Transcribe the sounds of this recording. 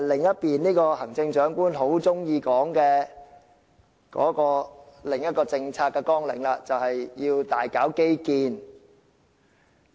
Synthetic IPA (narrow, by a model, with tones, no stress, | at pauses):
lɪ˨ŋjɐ˥t̚piː˨nniː˥kɔː˧hɐ˨˩ŋt͡sɪ˧ŋt͡ʃœː˨˥ŋkuː˥nɦo˨˥wt͡sʊ˥ŋjiː˧kɔː˨˥ŋkɛː˧ | kɔ̰ː˨˥kɔː˧lɪ˨˩ŋjɐ˥t̚kɔː˧t͡sɪ˧ŋt͡sʰaː˧kːɛː˧kɔː˥ŋlɪ̰˨˩ŋlaː˧t͡sɐ˨whɐ˨jjiː˧wt̪aː˨jkaː˨˥wke˥jkiː˧n